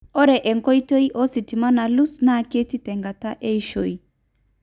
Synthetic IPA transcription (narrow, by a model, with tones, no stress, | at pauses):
ɔ˦ɾɛ˨ʔɛ˨ŋkɔ˦i˦to˦i˦ʔɔ˦si˨ti˨ma˦na˨lu˦sna˦˨ke˦ti˦tɛ˨ŋɡa˨ta˦ʔe˦i˦ʃo˨i˨